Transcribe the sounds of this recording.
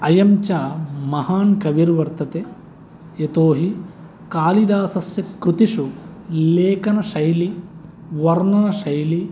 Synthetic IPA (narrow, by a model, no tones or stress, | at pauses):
ɐjɐmt͡ʃaːmɐhaːnkɐʋiɾʋɐɾt̪ɐt̪e | et̪oːɦi | kaːlid̪aːsɐsjɐkɾut̪iʂuleːkɐnɐʃɐjli | ʋɐɾnɐnɐʃɐjli